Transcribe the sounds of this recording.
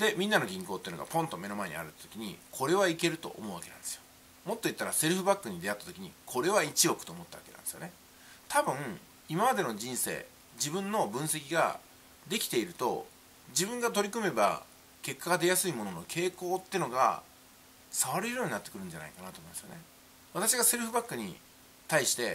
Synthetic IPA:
d̪e̞mʲĩnːanoɡʲĩŋko̞ːt̪ːeɯ̟noɡa̰põ̞nt̪o̞me̞no̞mae̞ɲ̟ḭa̰ɾɯ̟t̪ːḁt̪o̞kʲiɲ̟ḭkʰo̞ɾe̞βaike̞ɾɯ̟t̪o̞̰ʔːmo̞ɯβake̞nãnd̪esɨjo̥ | mo̞t̪ːo̞it̪ːaɾase̞ɾɯ̟ɸɯ̟bakːɯ̟ɲ̟id̪e̞at̪ːḁt̪o̞kʲiɲ̟ikʰo̞ɾe̞βait͡ɕio̞kɯ̟̥t̪oːmo̞t̪ːaβa̰kea̰nd̪sɨjone̞ | t̪abɯ̟̃ŋ | imamad̪e̞no̞ʑĩɰ̃se̞̰ː | d͡ʑibɯ̟̃nːo̞bɯ̟̃ɰ̃se̞kʲiɡa̰ | d̪e̞kʲi̥t̪e̞iɾɯ̟t̪o̞̰ | d͡ʑibɯ̃ŋɡat̪o̞ɾʲikɯ̟me̞ba̰ | ke̞kːaɡad̪e̞jasɨimo̞nono̞kʰe̞ːko̞ːt̪ːeɯno̞ɡa̰ | saβaɾeɾɯjoːɲ̟inat̪ːekɯ̟ɾɯ̟̃ɲ̟d͡ʑana̰ikanat̪omimːimasɨjone | β̞at̪aɕ̬iɡase̞ɾɯ̟ɸɯ̟bakːɯ̟ɲ̟ḭ | t̪aiɕi̥t̪e̞

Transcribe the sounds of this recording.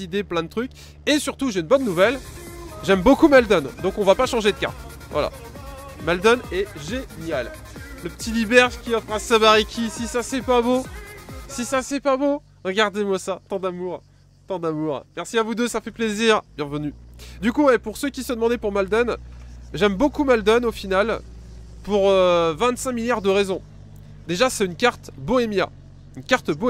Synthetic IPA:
id̪eplɛ̃d̪ət̪χykʲ | esyʁt̪uʒeynbɔnːuvɛlʒɛmbokumald̪ɔnd̪ɔ̃kɔ̃vapaʃɑ̃ʒed̪əka̰ | vwa̰la̰ | mald̪ɔnɛʒenjal | ləpə̥t̪ʰilibɛʁʒkʲiɔfχɛ̃samaʁikʲʰisisasɛpabo | sisasɛpabo | ʁəɡaʁd̪emwasat̪ɑ̃d̪amuʁ | t̪ɑ̃d̪amuʁmɛʁsiavud̪øsafɛpleziʁb̥jɛ̃vənyd̪ykuepuʁsøkʲisəd̪əmɑ̃d̪epuʁmald̪ɔnʒɛmbokumald̪ɔnofinal | puʁøvɛ̃t̪sɛ̃miljaʁd̪əʁezɔ̃ | d̪eʒasɛynkaʁt̪boemja̰ | ynkaʁt̪bo

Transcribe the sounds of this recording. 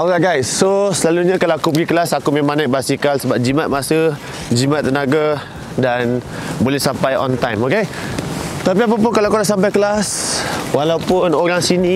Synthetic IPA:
oɡaɡajsːosəlaluɲakalawakubəɡikəlasakumemãnajʔ̚basikalsəbap̚d͡ʒimat̪̚masə | d͡ʒimat̪ːənaɡa | danbolɛhsampajɔ̰nt̪ajmoke | t̪apiap̬ap̬ʊnkalakudaʔsampajkəlaswalawpʊnoɾaŋsini

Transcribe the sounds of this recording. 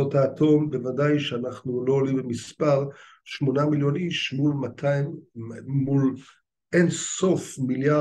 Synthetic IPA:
ot̪aːto̞mbevadajʃeanaχnulo̞olimbemispaʁ | ʃmo̞namiljo̞niʃmulmat̪ʰaimː | ul | ʔenso̞fmilja

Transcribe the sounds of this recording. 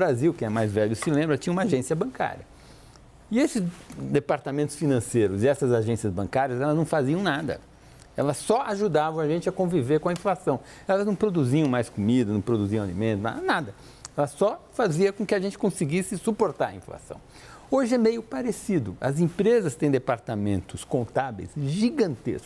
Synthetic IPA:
ʊbɾaziwkẽɛɐmajzvɛʎʊsɪlẽmbɾɐt͡ʃĩɲɐ̃umaʒẽsiɐbɐ̃ŋka̰ɾiɐ | ɪesɪzd̪epaɾt̪amẽnt̪ʊ̥sfinɐ̃sejɾʊzɪɛsɐzaʒẽsiɐzbɐ̰̃ŋkaɾiɐzɛlɐznɐ̃w̃faziɐ̃w̃nad̪ɐ̰ | ɛ̰lɐssɔaʒud̪avɐ̃w̃aʒẽnt͡ʃɪɐkõviveɾkõɐĩflasɐ̃w̃ | ɛlɐznɐ̃w̃pɾod̪uziɐ̃w̃majskomid̪ɐnɐ̃w̃pɾod̪uziɐ̃alḭmẽnt̪ʊna̰nad̪ɐ | ɛlɐsɔfaziɐkõkɪaʒẽnt͡ʃɪkõsɪɡisɪsupoɾt̪aɾɐḭ̃fla̰sɐ̰̃w̃ | oʒɪɛmejʊpaɾesid̪ʊɐ̰zẽpɾezɐst̪ẽj̃d̪epaɾt̪amẽnt̪ʊskõnt̪avḛjsʒiɡɐ̃nt̪ḛskʊ

